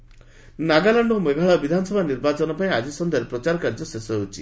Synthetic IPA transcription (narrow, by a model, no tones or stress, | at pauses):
naɡalaɳɖɔmeɡʱaɭabid̪ʱanɔsɔbʱaniɾbat͡ʃɔnɔpaĩad͡ʒisɔnd̪ʱeɾepɾɔt͡ʃaɾɔkaɾd͡ʒɔsesɔɦewt͡ʃʰi